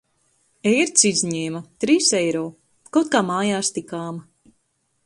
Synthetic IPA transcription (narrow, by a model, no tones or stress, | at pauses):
ɛjɾt̪sizʲɲeːmat̪ɾiːsɛjɾɔː | kawt̪̚kaːmaːjaːst̪ikaːma